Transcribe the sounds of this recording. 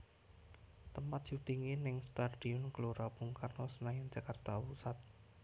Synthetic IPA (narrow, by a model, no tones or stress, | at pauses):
t̪əmpat̪̚d͡ʒ̥ut̪iŋinɪŋst̪aɖ̥iɔnɡ̥loɾapuŋkarnɔsənajand͡ʒakərt̪awusat̪̚